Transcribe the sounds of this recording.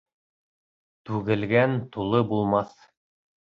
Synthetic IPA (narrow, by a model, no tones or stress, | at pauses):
t̪ʉɡɘ̆lɡænt̪ulˠɤbulˠmɑθ